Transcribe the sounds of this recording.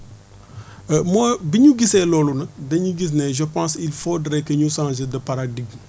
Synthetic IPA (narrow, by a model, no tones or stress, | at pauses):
əmɔːbiɲuɡisɛlɔːlunɐdɐɲuɡis̬nɛʒəpãːsilfoːdɾɛkəɲusãːʒedɐpɐɾadiɡ